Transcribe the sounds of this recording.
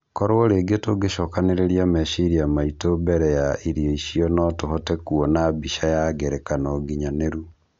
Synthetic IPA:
kɔɾoɔɾeːɡetoɡeʃɔkaneɾeɾiamɛʃiɾiamaitobɛɾɛjaʔiɾjɔiʃiɔnɔtohɔtɛkuɔnabiʃajaɡɛɾɛkanɔɡiɲaneɾu

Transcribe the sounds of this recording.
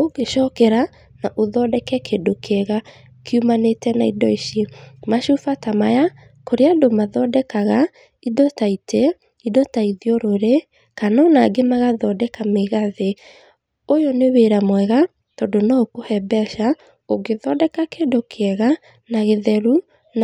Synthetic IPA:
oɡeʃɔkɛɾa | naʔoðɔdɛkɛkʰedokʰeɛɣa | kʰiumanetɛnaidɔiʃimaʃufatamaja | koɾeadomaðɔdɛkaɣa | idɔtaitʰe | idɔtaiðioɾoɾe | kanɔnaɡemaɣaðɔdɛkameɣaðe | ojoneweɾamwɛɣa | tɔdonaokohɛbɛʃa | oɡeðɔdɛkakedokʰeɛɣa | naɣeðɛɾu | n

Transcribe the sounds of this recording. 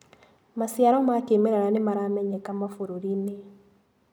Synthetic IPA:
masjaɾɔmakemeɾɛɾanemaɾaːmɛɲɛkamafoɾoɾine

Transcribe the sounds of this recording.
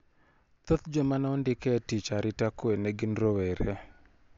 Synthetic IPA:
t̪ot̪d͡ʒomanaɔndɪkɛtit͡ʃaɾɪtakoeneɡɪnɾoweɾe

